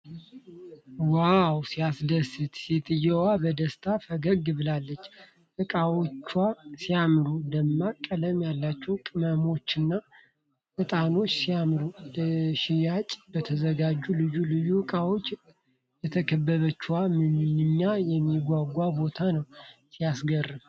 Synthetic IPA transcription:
wawsiasd̪əsɨt̪sit̪ʼɨjɛwabəd̪əst̪ʰafəɡəɡɨβɨlalːət͡ʃː | ʔɨkʼawot͡ʃːwasijamɾud̪əmːakʼələmjalːat͡ʃːɛwkʼɨməmo̞t͡ʃːɨnːa | ʔɨt̪ʼano̞t͡ʃːsijamɾudəʃɪjat͡ʃʼbət̪ʰəzəɡad͡ʒːulɨjulɨjuɨkʼawo̞t͡ʃː | jɛt̪ʰəkʰəbːəβət͡ʃːwamɨnɨɲːajɛmːiɡʷaɡʷabo̞t̪ʰanəwsijasɡərːɨm

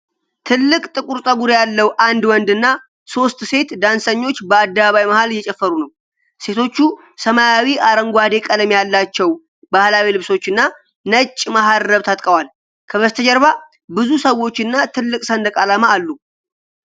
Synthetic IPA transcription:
t̪ʰɨlːɨkʼt̪ʼɨkʼuɾt̪ʼəɡuɾejalːəwʔand̪wɔnd̪ɨnːa | so̞st̪ʼse̞t̪d̪ansəɲːo̞t͡ʃːbəad̪ːəβaβajmahaljɛt͡ʃʼɛfːəɾunəw | se̞t̪ʰo̞t͡ʃːu | səmajawiʔaɾəŋɡʷad̪e̞kʼələmjalːat͡ʃːɛw | bahlawilɨβso̞t͡ʃːɨnːa | nət͡ʃʼːmaɦaɾːəβt̪ʰat̪ʼkʼəwal | kʰəβəst̪ʰəd͡ʒɛɾβa | bɨzusəwo̞t͡ʃːɨnːat̪ʰɨlːɨkʼsənd̪əkʼalamaːlːu

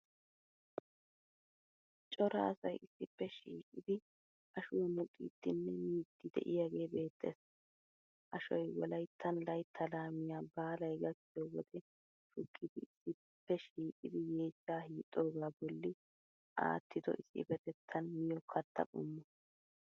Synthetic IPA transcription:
t͡ʃʼɔɾɐ̰ːsɐjɪsːɪpːɛʃiːkʼɪd̪ɪ | ʔɐʃʊwɔmʊkʼːḭːt̪ːɪnːɛmiːd̪ːɪd̪ɛ̰ʔɪjaːɡe̞ːbe̞ːt̪ʰːḛs | ʔɐʃɔjwɔlɐjt̪ʰːɐnlɐjt̪ʰːɐlaːmɪjaːbaːlɐjɡɐt͡ʃːɪjɔwɔd̪ɛ | ʃʊkʼːɪd̪ɪɪsːɪ | pːɛʃiːkʼɪd̪ɪje̞ːt͡ʃʼːaːhiːt̪ʼːo̞ːɡaːbɔlːɪ | ʔa̰ːt̪ʰːɪd̪ɔ̰ʔɪsːɪ̰bɛt̪ɛt̪ʰːɐnmɪjɔkʰɐt̪ʰːɐ̰ʔʊ̰mːɔ

